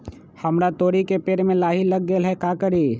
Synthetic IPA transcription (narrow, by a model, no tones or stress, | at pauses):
həmɾat̪oːɾikepeːɾmẽlaːɦiləɡːeːlɦɛkakəɾi